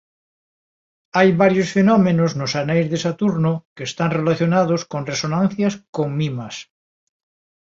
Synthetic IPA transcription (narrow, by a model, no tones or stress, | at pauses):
ajβaɾjosfenomẽnoznosanejzðesat̪uɾnokeːst̪anrelaθjonað̞oskonresonãn̟θjaskoŋmimas